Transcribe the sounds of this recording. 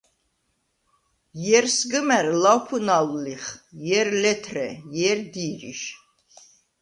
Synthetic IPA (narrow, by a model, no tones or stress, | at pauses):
jɛɾsɡɨmɛɾlawpʰunallːiχjɛɾlɛt̪ʰɾɛjɛɾd̪iːɾḭʃ